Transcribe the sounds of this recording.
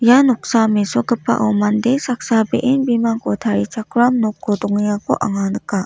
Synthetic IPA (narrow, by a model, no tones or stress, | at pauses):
janɔk̚samesɔɡɯpʰːa̰ʔɯwmandesak̚sabeʔenbimaŋkɔtʰaɾit͡ʃakʰɾamnɔkʰːɔdɔŋjakɔʔaŋanɯka